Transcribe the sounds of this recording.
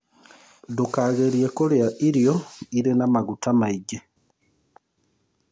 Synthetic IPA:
dokaɣeɾjekoɾeaʔiɾjoiɾenamaɡutamaiɟe

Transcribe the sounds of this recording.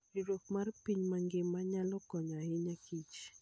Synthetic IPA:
iɾokmarpiɲmaŋɡɪmaɲalɔkɔɲahɪɲakit͡ʃ

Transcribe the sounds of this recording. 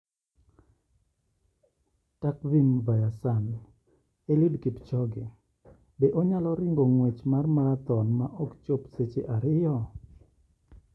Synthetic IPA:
tak̚vimvajasan | elidkipt͡ʃɔɡɪ | beʔoɲalɔɾɪŋɡoŋwet͡ʃmarmaɾat̪ɔnmaʔɔkt͡ʃopset͡ʃeʔaɾɪjɔ

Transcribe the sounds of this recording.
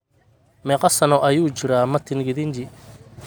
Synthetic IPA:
mɛqɑsɐnɔʔɐjuːt͡ʃɪɾaːmɐt̪ʰɪnɡɪðɪɲt͡ʃɪ

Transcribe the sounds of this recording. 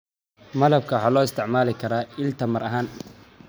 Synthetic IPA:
mɐlɐb̚kʰɐwħɑːlɔːɪst̪ʰɪʕmaːlɪkʰɐɾaːɪlt̪ʰɐmɐɾʔɐɦaːn

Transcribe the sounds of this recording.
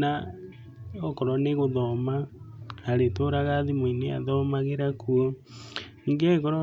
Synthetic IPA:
na | ɔkɔɾɔneɣoðɔmaː | ɾetoɾaɣaðimwinea̰ðɔmaɣeɾakʰuɔ | iŋɡekɔɾɔ

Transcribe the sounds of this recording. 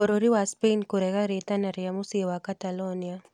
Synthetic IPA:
ɔɾoɾiwaspenkuɾɛɣaɾet̪anaɾjamusewakat̪alɔnija

